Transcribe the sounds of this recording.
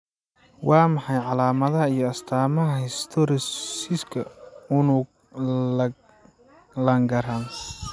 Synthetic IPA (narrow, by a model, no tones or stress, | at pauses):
wʔɑːmɑħɑjʕɑlaːmɐðɐɦɐijɞɐst̪ʰaːmɐɦɐhɛst̪ʰɔɾsiskʰɐʊnu | lɐŋɡɐɾaːn